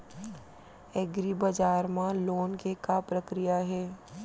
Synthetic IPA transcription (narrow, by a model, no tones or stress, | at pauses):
ɛɡɾibɐd͡ʒaːɾmãloːnkekapɾəkɾijaɦɛː